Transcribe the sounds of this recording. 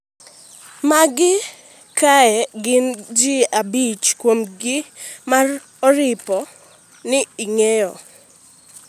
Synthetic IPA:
maɡɪ | kaɛɡɪnd͡ʒiabit͡ʃkwomɡɪmar | ɔɾɪpɔ | nɪiŋejɔ

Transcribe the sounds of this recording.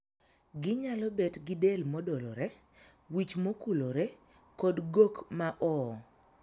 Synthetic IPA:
ɡɪɲalɔbɛtɡɪdelmɔdɔlɔɾɛ | wit͡ʃmokuloɾɛ | kodɡokmaʔɔ

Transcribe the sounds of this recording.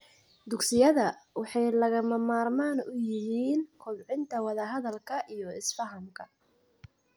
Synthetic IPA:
d̪ʊksɪjɐðɐwɑħɑjlɐɣɐmɐmaːrmaːnʊjɪɦiːnkʰʊlʕɪnt̪ʰɐwɑðɐɦɐðɐlkʰɐʔijɔɪsfɐɦɐmkʰɐ

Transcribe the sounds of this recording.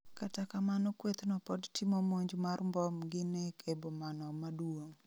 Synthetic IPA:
katakamanɔkwet̪nɔpɔdtʰɪmɔmoɲd͡ʒmarmbɔmɡɪnekʰebomanɔmadwwoŋ

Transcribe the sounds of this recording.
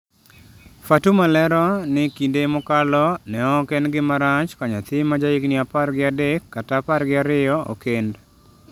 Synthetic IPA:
fatumalɛɾɔnɪkindemʊkalɔnɛɔkenɡɪmaɾaɲt͡ʃkaɲat̪ɪmːad͡ʒaiknɪaparɡɪadɛkːataːparɡɪaɾɪjɔo̰kend

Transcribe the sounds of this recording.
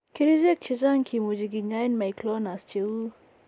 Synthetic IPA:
kiɾizek̚t͡ʃʰizaŋkʰimud͡ʑiɡiɲajnmajkloːnast͡ʃʰiu

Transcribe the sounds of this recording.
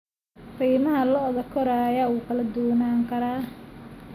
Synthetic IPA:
riːmɐɦɐlɔːðɐkʰɔɾɐːjaːuːkʰɐlɐd̪uːnaːŋkʰɐɾaː

